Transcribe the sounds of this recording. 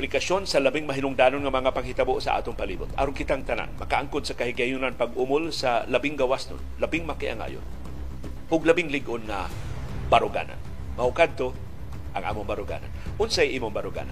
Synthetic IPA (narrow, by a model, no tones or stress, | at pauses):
plɪkasonsalabɪŋmaɦɪnʊŋd̪aːnʊnŋamɐŋapaɡhɪt̪aboʔsa̰ʔa̰ːt̪ʊŋpaliːbʊt̪a̰ɾʊnkɪt̪aŋt̪ana̰nmɐkaʔaŋkʊd̪sakahɪɡajunanpaɡʔʊmʊlsalabɪŋɡawasnʊ̰nlabɪŋmakɪʔa̰ŋa̰ːjʊ̰n | ʔʊɡlabɪŋlɪɡʔʊnŋa̰ | baɾʊɡa̰ːna̰n | mahʊʔkad̪̚t̪o | ʔaŋʔa̰ːmʊŋbaɾʊɡa̰ːna̰nʔʊnsajʔiːmʊŋbaɾʊɡa̰ːna